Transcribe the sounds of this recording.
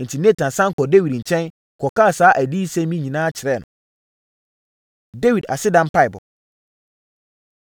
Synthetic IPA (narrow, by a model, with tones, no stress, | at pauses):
n̩˨tʰi˨ne˦tʰã˨nsã˦ŋ˦kʰɔ˨de˦wi˨dɲ̩˨t͡ɕʰɛ̃˦n | kʰɔ˨ka˦˨saː˨˦ʔæ˨di˦sɛ̃˦mĩ˦ɲĩ˨nãː˦t͡ɕʰɪ˨ɾɛ˦˨nʊ̰̃˨ | de˦wi˨da̰˨sɪ˦dã˦m˦pʰa˦ɪ˨bʊ̰˨